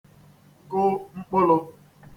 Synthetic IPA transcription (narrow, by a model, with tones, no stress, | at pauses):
ɡʊ˦ŋ͡m̩˦k͡pʊ˦lʊ˦